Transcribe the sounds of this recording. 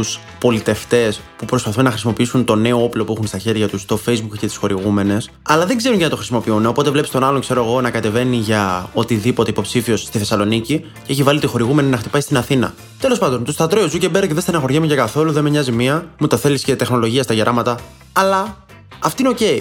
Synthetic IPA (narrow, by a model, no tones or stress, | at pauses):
t̪us | po̞lit̪e̞ft̪e̞spupɾo̞spɐθunːɐxɾisimo̞piisunt̪o̞ne̞o̞oplo̞puixunst̪ɐçe̞ɾʝɐt̪ust̪o̞fejzbukcet̪i̥sxo̞ɾiɣume̞ne̞s | ɐlɐðe̞ɡze̞ɾuncɐnɐt̪oɾisimo̞piuneo̞po̞t̪e̞vle̞pist̪o̞nɐlokse̞ɾo̞eɣo̞nɐkɐt̪e̞ve̞niʝɐo̞t̪iðipot̪e̞ipo̞psifio̞sst̪iθe̞sɐlo̞nici | ceçivɐlit̪ixo̞ɾiɣumeninɐxt̪i̥pɐist̪inɐθinɐ̰ | t̪elo̞spɐnd̪o̞nt̪ust̪ɐt̪ɾoozucebeɾɐceðest̪enɐxo̞ɾʝɐmuʝɐkɐθo̞luðe̞meɲɐzimiɐmut̪ɐθe̞lisce̞t̪e̞xno̞lo̞ʝiɐst̪ɐʝeɾʔɐmɐt̪ɐ | ɐlɐ | ɐft̪ineoce̞i